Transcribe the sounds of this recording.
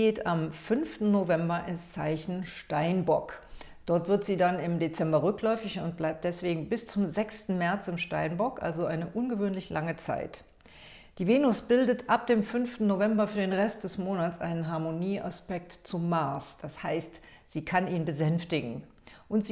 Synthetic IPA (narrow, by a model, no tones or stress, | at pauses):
ɡeːtamfʏnftn̩novɛmbɐʔɪnst͡saɪçn̩ʃtaɪnbɔk | d̥ɔɐtv̥ɪɐtz̥iːdanɪmdet͡sɛmbɐʁʏklɔʏfɪçʊnt̚b̥laɪp̚t̚d̥ɛsv̥eːɡŋ̩bɪst͡sʊmzɛkstn̩mɛɐt͡sɪmʃtaɪnbɔkʔa̰lzoʔaɪnəʔʊnɡəvøːnlɪçlʔaŋət͡sa̰ɪt | d̥iːveːnʊsb̥ɪldətʰʔap̚d̥eːmfʏnftn̩novɛmbɐfyːɐdeːnʁɛst̚d̥ɛsmoːnat͡sʔa̰ɪnənɦaɐmoniːʔaspɛk̚tt͡sʊmːaɐsd̥ashaɪst | z̥iːkʰaniːnbəzɛnftɪɡŋ̩ | ʔʊntz̥i